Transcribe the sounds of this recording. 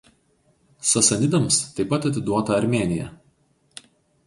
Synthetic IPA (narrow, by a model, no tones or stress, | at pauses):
sɐsɐnʲɪd̪ɐmst̪ɐɪpːɐt̪ɐt̪ʲɪd̪uɔt̪ɐɐɾʲmʲeːnʲɪjɛ̰